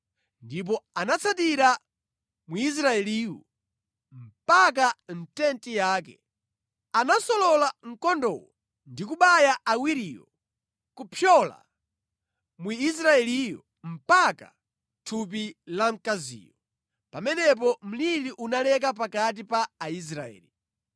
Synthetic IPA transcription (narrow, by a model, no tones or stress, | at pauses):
ndip̬ɔanat͡sʰatiɾa | muis̬ɾaɛliːwɔ̰ | m̩pak̬an̩tɛntijaːkɛ | anasɔlɔlaŋ̩kɔndɔ̰wɔ | ndikuɓajaawiɾijɔ̰ | kupʰjɔla̰ | muis̬ɾaɛlijɔ | m̩paka̰ | tʰup̬ilam̩kazḭːjɔ | pamɛnɛp̬ɔm̩liliʔunalɛk̬apakat̬ipaːis̬ɾa̰ɛ̰ːli